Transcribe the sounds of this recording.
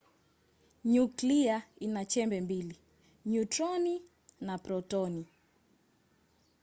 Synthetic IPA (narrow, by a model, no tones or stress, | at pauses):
ɲukliainat͡ʃɛmbɛmbili | ɲutɾɔni | napɾɔtɔni